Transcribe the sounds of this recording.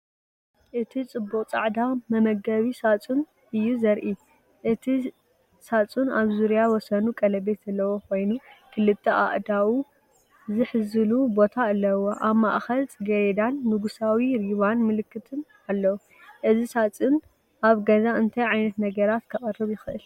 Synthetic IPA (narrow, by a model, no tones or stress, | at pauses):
ʔɨt̪ʰit͡sʼɨbːuqʼt͡sʼa̰ʕd̪amɐmɐɡɐβisat͡sʼun | ɨjːuzɐɾʔi | ʔɨt̪ʰi | sat͡sʼunaβzuɾjawɔsɐnukʼɐlɐbe̞t̪ɐlːɐwokʰo̞jnukʰɨlɨt̪ʰːɐʔa̰ʔd̪awu | zɨħɨzɨlubo̞t̪ʰaɨlːɐwoʔaβmaʔxɐlt͡sʼɨɡɐjd̪anːɨɡusawiɾiβanmɨlɨkʰːɨt̪ʰɨn | alːɐwu | ʔɨzisat͡sʼɨn | ʔaβɡɐzaɨnt̪ʰɐjʕajnɐt̪nɐɡɐɾat̪kʰɐkʼɨrɨβjɪxɨʔɨl